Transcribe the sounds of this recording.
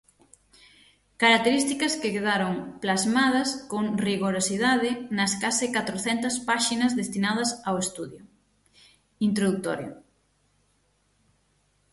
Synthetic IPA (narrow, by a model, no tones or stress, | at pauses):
kaɾak̚t̪eɾist̪ikɐskekeðaɾoŋplazmað̞ɐskoŋriɣoɾosiðaðɪnɐskasɪkat̪ɾoθɛnt̪ɐspaʃinɐzðest̪inað̞ɐsawest̪uðjʊ | int̪ɾoðuk̚t̪o̰ɾjʊ̰